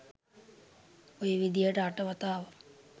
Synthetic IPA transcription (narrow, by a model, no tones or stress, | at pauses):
ojəʋid̪ijəʈəaʈəʋat̪aːʋə